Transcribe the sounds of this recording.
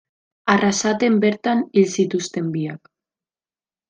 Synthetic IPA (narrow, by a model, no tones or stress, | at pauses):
arasat̪e̞mbe̞ɾt̪anilsit̪ust̪e̞mbiak